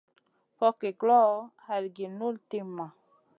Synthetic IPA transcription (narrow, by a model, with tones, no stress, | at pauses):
fɔ˦ke˨ɡlɔ˦˨ha˨lɡi˨nu˦lti˦mã˨